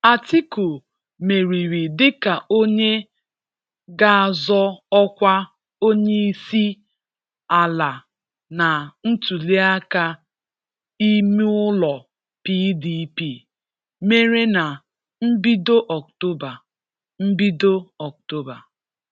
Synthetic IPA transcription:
a˨ti˦ko˨ | me˨ɾi˨ɾi˨dɪ˦ka˨ʔo˦ɲe˦ | ɡa˦˨zɔ˦ɔ˦kʷa˦ | o˦ɲe˦i˦si˦ | a˨la˨ | na˨n̩˦tu˨li˦a˦ka˦ | i˦mi˦ʊ˦lɔ˨ | pi˦di˦pi˦˨ | me˦ɾe˦na˨ | m̩˦bi˦do˦ʔɔ˨k̚to˦ba˨ | m̩˦bi˦do˦ɔ˨k̚to˦ba˨

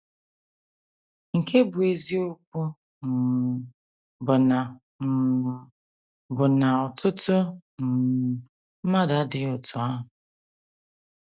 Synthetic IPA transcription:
ŋ̩˨kʰe˦bʊ˨e˨zi˦o˦k̚ʷu˦ | m̩˨ | bʊ˨na˨ | m̩˨ | bʊ˨na˨ɔ˨tʊ˦tʊ˦m̩˨ | m̩˦ma˦da˦dɪ˨ʊ˨tʊ˨a˦ɦʊ˨

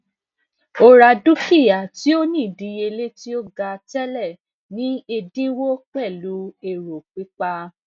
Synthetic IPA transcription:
o˨˧ɾa˨du˦fi˦˨ja˨ti˦o˦nĩ˦˨dĩ˨˦je˧le˦ti˦o˦ɡa˧tɛ˦lɛ˦˨ | nĩ˨˦e˧dĩ˦wo˦k͡pɛ˦˨lu˨˦e˨ɾo˨k͡pi˨˦k͡pa˧

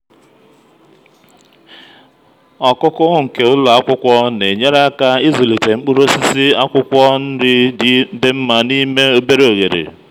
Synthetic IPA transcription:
ɔ˨kʊ˦kʊ˦ɣʊ˦ŋ̩˨ke˨ʊ˦lʊ˨a˦kʷʊ˦kʷɔ˦ne˨ɲe˦ɾa˦ka˦i˦zu˨li˨te˨ŋ͡m̩˦k͡pu˦ɾo˦si˦si˦a˦kʷʊ˦kʷɔ˦n̩˦dɪ˦di˨˦de˦m̩˦ma˨ni˦me˦o˦be˦ɾo˨ɣe˨ɾḛ˨

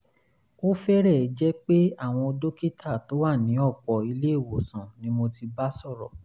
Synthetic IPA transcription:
o˦fɛ˦ɾɛ˦˨ɛ˨˦d͡ʒɛ˦k͡pe˦a˦˨w̃ɔ̃˧o˧do˦ki˦tʰa˦˨to˨˦wa˦˨nĩ˨˦ɔ˦˨k͡pɔ˨i˧le˦e˦˨wo˨sã˨nĩ˨˦mo˧ti˧ba˦sɔ˦˨ɾɔ˨

